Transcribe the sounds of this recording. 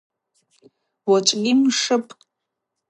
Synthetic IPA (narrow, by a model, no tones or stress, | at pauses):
wɔt͡ʃʼɡʲɪmʂɨpʰʼ